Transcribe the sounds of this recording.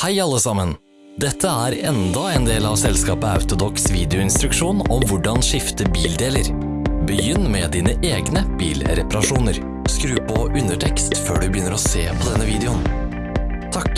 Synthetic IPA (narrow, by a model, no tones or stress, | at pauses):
hæɪɑlːəsɑmən | d̪ɛt̪ʰːəæːɾɛnd̪ɑeːnd̪eːlɑʋsɛlskɑːpəɑ̰ʉt̪ʊd̪ɔksʋiːd̪ɛʊɪnst̪ɾʉkʂuːnɔmʋʊɖɑnʂɪft̪əbiːld̪eːləɾ | bəjʏnːmɛd̪iːnəʔeːɡnəb̥ḭːlɾɛpɑɾɑʂuːnəɾ | skɾʉːpʰɔʔʉnəʈʰɛkst̪føːɖʉbəjʏnːəɾɔseːpʰɔd̪ɛnːəʋiːd̪ɛʊn | t̪ʰɑk